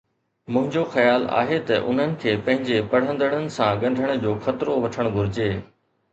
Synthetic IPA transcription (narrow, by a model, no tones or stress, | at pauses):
mʊ̃ɦɪ̃ɲd͡ʑoxɐjaːla̰ːɦet̪ɐʔʊ̰n̤ənɪ̆kʰeːpɐ̃ɦɪ̃ɲd͡ʑepɐɽ̤ə̃nd̪əɽ̃ənɪ̆sãɠɐ̃ɳɖʱəɽ̃̆d͡ʑoːxɐt̪ɾoʋɐʈʰəɽ̃ɡʱʊɾɪd͡ʑeː